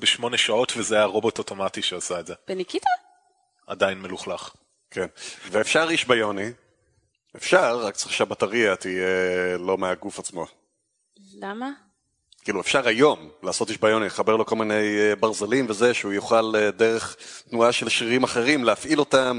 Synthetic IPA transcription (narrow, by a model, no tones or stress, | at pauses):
beʃmo̞neʃao̞tvezeajaʁo̞bo̞toto̞matiʃeasaetzeb̥enikita | a̰dajinmeluχlaχ | kʰenveːfʃaʁiʃbajo̞ni | efʃaʁːakt͡seʃeabataʁiatijelo̞meaɡufat͡smo̞ | lama | kiːluefʃaʁajo̞mlaːso̞tiʃbajo̞niχabeʁlo̞ko̞lmine̞jbaʁzelimveze̞ʃeujuχaledeʁe̞χtnuaʃelʃiʁimaχe̞ʁimleafʔilo̞tam